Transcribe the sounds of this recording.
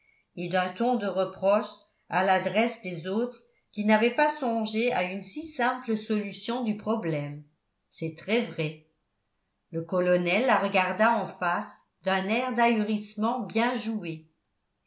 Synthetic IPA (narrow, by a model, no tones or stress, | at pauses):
ed̪ɛ̃t̪ɔ̃d̪əʁəpχɔʃ | a̰lad̪ʁɛsd̪ezot̪χ | kʲinavɛpasɔ̃ʒeaynsisɛ̃pləsɔlysjɔ̃d̪ypχɔblɛm | sɛt̪χɛvʁɛ | ləkɔlɔnɛlːaʁəɡaʁd̪aɑ̃fas | d̪ɛ̃nɛʁd̪ayʁismɑ̃bjɛ̃ʒue